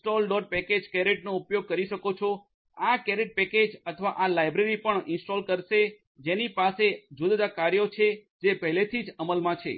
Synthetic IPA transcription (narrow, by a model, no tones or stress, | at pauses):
ʈolɖɔɖ̚pɛked͡ʒkɛɾeʈnoupjoɡ̚kəɾiʃəkot͡ʃʰo | akɛɾeʈ̚pɛked͡ʒət̪ʰəʋaʔalajbɾeɾipəɳɪnsʈolkəɾʃe | d͡ʒenipased͡ʒud̪d̪akaɾjot͡ʃʰed͡ʒepəɦlet̪ʰid͡ʒəməlmãt͡ʃʰḛ